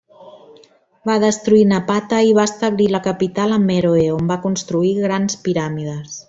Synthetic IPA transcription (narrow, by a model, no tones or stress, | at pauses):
baðəst̪ɾuinəpat̪əiβaəst̪əβliləkəpit̪aləmeɾoeombakunst̪ɾuiɣɾanspiɾamiðəs